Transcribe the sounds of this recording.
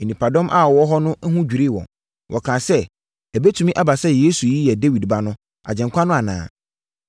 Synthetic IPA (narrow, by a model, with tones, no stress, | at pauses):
e˨nĩ˨pʰa˨dɔ̃˦mʔa̰˦˨wɔ˦ɦɔ˦nʊ̃˦ɦũ˦d͡ʑᶣi˨ɾi˦˨wɔ̰̃˨ | wʔɔ̰˨kʰã˨sɛ˦ | ɛ˨be˦tʰu˨mĩ˦ʔa˦ba˨sɛ˦je˦su˨ji˦jɛ˨de˦wi˨dba˦nʊ̃˦ | a̰˨d͡ʑɛ̃˨ŋkʷʰa˦nʊ̃˦a˨nã̰ː˨